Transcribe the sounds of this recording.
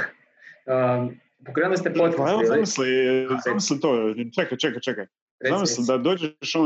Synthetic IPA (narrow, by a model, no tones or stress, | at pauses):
ə | pokɾemust̪epot̪kɛʋozamislizamislit̪oːt͡ʃɛkajt͡ʃɛkajt͡ʃɛkaj | ɾzammislid̪ad̪oːd͡ʑeʃo